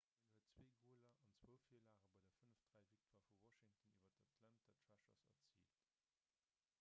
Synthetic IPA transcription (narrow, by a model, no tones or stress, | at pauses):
ənhuətt͡sweːɡʁuːəlɐʔɑnt͡swoʊlfiːɐlaːʁəbɑɪdɐfənəfd̥ʁæɪvik̚tʰːɐfuwɔʃɪŋtəniːvɐtɐtʰlæntɐtʰɹæʃɐ̰sɐ̰t͡sḭːlt